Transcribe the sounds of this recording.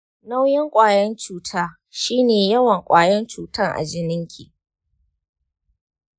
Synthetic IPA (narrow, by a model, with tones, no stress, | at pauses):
na˦wjɪ˦ŋkʷʼaː˨jɐ˦nt͡ʃuː˦tʰaː˦ | ʃiː˦neː˨jɐ˦wɐ˨ŋkʷʼaː˨jɐ˦nt͡ʃuː˨tɐ˦ŋʔa̰˨d͡ʒɪ˦nɪ˦ŋkʲʰḭ˨ʔ